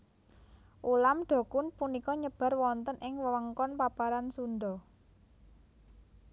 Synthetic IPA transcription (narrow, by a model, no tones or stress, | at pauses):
ʔulamɖ̪̥ɔ̤kʊnpunikɔɲəb̥a̤rwɔnt̪ənʔɪŋwəwəŋkɔnpapaɾansunɖ̪ɔ